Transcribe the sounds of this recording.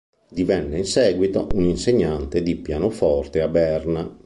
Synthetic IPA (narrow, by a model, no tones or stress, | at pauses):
d̪ivɛnːeinsɛːɡwit̪oʔuninseɲːant̪ed̪ipjaːnofɔrt̪eabɛrna